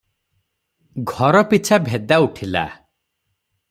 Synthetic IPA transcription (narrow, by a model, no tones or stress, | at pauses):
ɡʱɔɾɔpit͡ʃʰabʱed̪auʈʰila̰